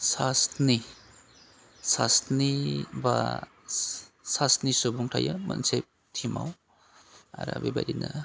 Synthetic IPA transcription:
sasni | sasniba | sasnisobuŋtʰajɯmɐnsep̚ | tʰimaw | a̰ɾa̰bibajdina

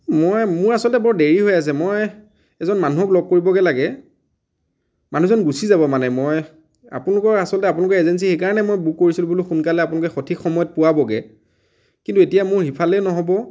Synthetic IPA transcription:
mɔjmʊɹasɔltɛbɔɹdeɹiɦojas̬ɛmoj | ɛzɔnmanuɦɔklɔb̚koɹibɔɡɛlaɡɛ | manuzɔnɡusizabɔmanɛmɔj | a̰punlʊkɔasɔlɔtɛap̬unlʊkɛezɛns̬ixejkaɹɔnɛmojbukːoɹisilubuluxunkalɛapʊnɔlʊk̬ɛxotʰikxɔmɔjɔt̚pʊwabɔɡɛ̰ | kintuetijamʊɹxipʰalɛnɔɦɔbɔ

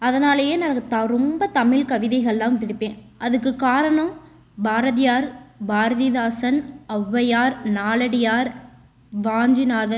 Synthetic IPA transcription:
ɐðɐnaːlɐjeːnaːt̪ɾɔmbɐt̪ɐmɪlkɐʋɪðɐɪɣɐɭlːaːmt̪ɪɽɯpːẽːn | ʔɐðɯk̬ːɯkaːɾɐɳɐm | bʱaːɾɐðɪjaːɾbʱaːɾɐðɪðaːsɐnɐʋːɐjaːɾnaːlɐɽɪjaːɾ | ʋaːɲd͡ʒɪnaːðɐ

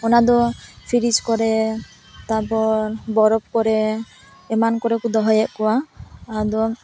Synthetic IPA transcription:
ɔnad̪ɔpʰiɾid͡ʒkɔɾɛ | t̪abɔɾbɔɾɔb̚kɔɾɛː | mankɔɾɛkud̪ɔɦɔjɛʔkɔwaː | d̪ɔ

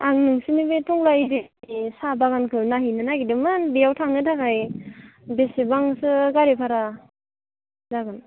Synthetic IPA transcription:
aŋnɯŋsɯnibetʰɔŋlajɾesabaɡankʰɯnaɦinɯnaɡidɯmɯnbijawtʰaŋnɯtʰakaj | besebaŋsɯɡaɾepʰaɾa | zaɡɯn

